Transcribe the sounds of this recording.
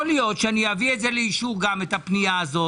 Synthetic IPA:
olijo̞t̪ʃeaniavietzeleiʃuʁɡamet̪apnijaːzo

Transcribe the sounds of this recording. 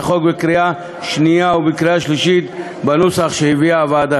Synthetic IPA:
χokbekɾia | ʃnijaubekɾiaʃliʃit̪ | banusaχʃehiviaːvad̪a

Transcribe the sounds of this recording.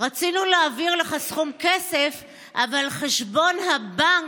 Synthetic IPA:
ʁat͡sinuleaviʁleχasχumkesef | ʔavalχeʃbo̞nhabaŋ

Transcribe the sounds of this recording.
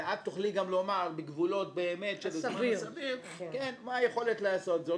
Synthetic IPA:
ʕad̪̚t̪ːuχliɡamlo̞maʁbeɡvulo̞t̚beːme̞t̪ʃelosavim | kenmaːjeχo̞let̪laːso̞t̪zo

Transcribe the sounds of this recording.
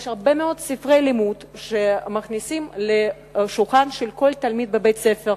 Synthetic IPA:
jeʃhaʁbe̞meo̞dsifʁejlimut̪ʃemaχnisimle | ʃulχanʃelko̞lt̪almid̪̚bebejt͡sefeʁ

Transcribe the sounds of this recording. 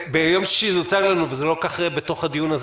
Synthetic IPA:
bejo̞mʃʃizut͡saɡlanuvezelokaχebet̪o̞χhad̪ijunaz

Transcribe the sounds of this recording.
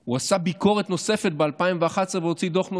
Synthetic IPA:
uasabiko̞ʁet̪no̞se̞fe̞t̪̚bealpaimveaχasveot͡sid̪o̞χno

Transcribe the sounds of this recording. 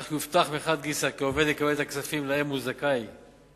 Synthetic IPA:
χuift̪aχmeχad̪̚ɡisakeove̞d̪lekabelet̪aksafimlahe̞mːuzakaj

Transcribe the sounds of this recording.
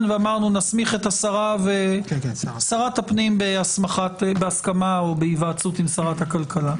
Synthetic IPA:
nveamaʁnunasmiχe̞t̪asaʁave | saʁatapnimbeasmaχatbeaskamaobeivat͡sutimsaʁathakalkala

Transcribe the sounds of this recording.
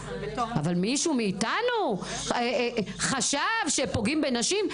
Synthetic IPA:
avalmiʃumiːtanu | eχaʃavʃepoɡimbenaʃim

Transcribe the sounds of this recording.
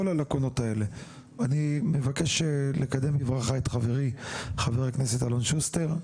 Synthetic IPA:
olalakono̞tae̞le̞ | anime̞vake̞ʃelekad̪e̞mivʁaχaetχaveʁiχaveʁaknesetalonʃust̪eʁ

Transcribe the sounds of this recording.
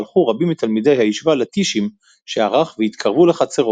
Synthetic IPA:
lχuʁabimit̪almid̪ejhaiʃvalet̪iʃim | ʃeaʁaχveit̪kʰaʁvule̞χat͡seʁo

